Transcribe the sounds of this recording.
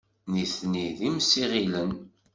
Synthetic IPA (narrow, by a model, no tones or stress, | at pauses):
niθniðimsiʁilən